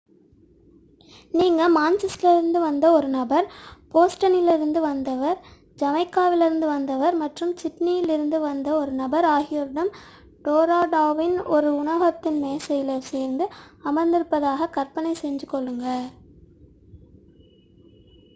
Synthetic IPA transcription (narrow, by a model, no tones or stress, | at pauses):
niːŋɡɐmaːnt͡ʃɪsɪlɾɯnd̪ɯʋɐnd̪ɐɔɾɯnɐbɐɾpoːsʈɐnɪlɪɾɯnd̪ɯʋɐnd̪ɐʋɐɾ | d͡ʒɐmɐɪkːaːʋɪlɪɾɯnd̪ɯʋɐnd̪ɐʋɐɾmɐʈrɯmt͡ʃɪʈnɪjɪlɪɾɯnd̪ɯʋɐnd̪ɐɔɾɯnɐbɐɾaːɣɪjɐɾɯɽɐm | ʈoːɾaːɖaːʋɪnɔɾɯʊɳɐɣɐt̪ːɪnmeːsɐjɪlɐseːɾnd̪ɯɐmɐnd̪ɪɾɯpːɐðaːɣɐkɐɾpɐnɐɪsɛɲd͡ʒɯkːɔɭːɯŋɡɐ